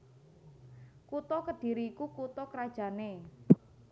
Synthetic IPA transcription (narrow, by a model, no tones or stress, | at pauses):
kut̪ɔkəd̥i̤ɾiːkukut̪ɔkəɾad̥ʒ̥a̤ne